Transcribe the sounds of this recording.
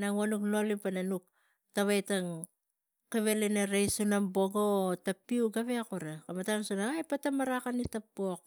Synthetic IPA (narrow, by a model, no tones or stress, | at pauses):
naŋuanukno̞lipananuk̚ | taβajtaŋ | keβeleneɾajsunambo̞ɡootapiuɡaβeakuɾakamatansunaajpatamaɾakanitapːok̚